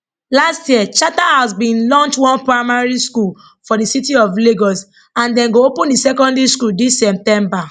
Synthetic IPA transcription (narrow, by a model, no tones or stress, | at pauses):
lastjiɛt͡ʃatahasbĩnlɔ̃nt͡ʃwɔ̃npɹaɪmaɹiskul | fɔdisitiɔfleɡɔs | ãndɛ̃nɡoopũndisɛkɔ̃ndɹiskuldisɛp̚tɛ̃mba